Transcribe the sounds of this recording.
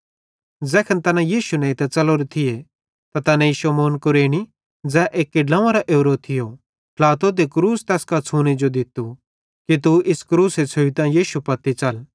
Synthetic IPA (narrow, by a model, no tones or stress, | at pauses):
d͡zɛːkʰɐnt̪ɐnãjiːʃunɛ̃it̪ɛt͡sɐloɾet̪ʰɪje | t̪at̪ɐnɛ̃iʃɐmoːnkʊɾeːɽ̃i | d͡zɛːʔeːkːɪɖlɐ̃ʋãɾaʔeːɾoːt̪ʰɪjo | pʰlaːt̪od̪ekɾuːst̪ɛːskat͡sʰuːñed͡ʒod̪ɪt̪u | kit̪uʔɪskɾuːset͡sʰoit̪ɐ̃jiːʃupɐt̪ːit͡ʃɐl